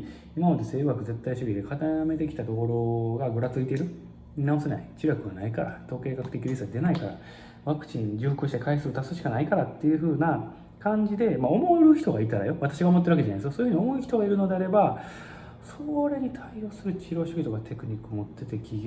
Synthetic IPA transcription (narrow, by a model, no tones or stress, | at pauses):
imamad̪e̞se̞ːβakɯ̟ze̞t̪ːaiɕoɾʲid̪e̞kʰat̪ame̞t̪ekʲi̥t̪ad̪o̞ːɾo̞ɡaɡɯ̟ɾat͡sɨit̪eɾɯ̟ | inao̞se̞na̰it͡ɕiɾakɯ̟ɡanaikaɾat̪o̞ːke̞ːkakɯ̟̥t̪e̞kʲiɾʲisɨɡad̪e̞naikaɾa̰ | βakɯ̟̥t͡ɕĩɲd͡ʑɨːɸɯkɯ̟ɕi̥t̪e̞kaisɨɾot̪asoɕikanaikaɾat̪ːe̞jɯ̟ɸɯ̟ːna | kãɲ̟d͡ʑid̪e̞maomoɾɯ̟çi̥t̪o̞ɡait̪aɾa̰jo̞βat̪aɕiɡaomot̪ːeɯβaked͡ʑanaesjosoːɯ̟io̞moçi̥t̪o̞ɡaiɾɯ̟no̞d̪e̞aɾe̞ba | soɾe̞ɲ̟it̪ʰaijo̞ːsɨɾɯ̟t͡ɕiɾo̞ːɕoɾʲit̪oɡat̪ʰe̞kɯ̟ɲ̟ikːɯmo̞t̪ːe̞t̪e̞kʲiɡʲ